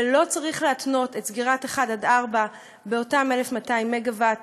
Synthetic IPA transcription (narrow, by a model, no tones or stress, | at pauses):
lo̞t͡saʁiχleatno̞tetsɡiʁateχadadaʁba | be̞o̞tame̞lefmataimːeɡavat